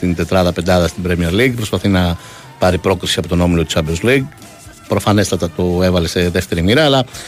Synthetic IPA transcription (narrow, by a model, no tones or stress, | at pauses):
t̪int̪e̞t̪ɾɐðɐpend̪ɐðɐst̪ibɾemieɾliɡpɾo̞spɐθinɐ | pɐɾipɾo̞kɾisiɐpo̞t̪o̞no̞milo̞t̪u̥sɐbezliɡ | pɾo̞fɐne̞st̪ɐt̪ɐt̪oe̞vɐle̞se̞ðe̞ft̪e̞ɾimiɾɐːlɐ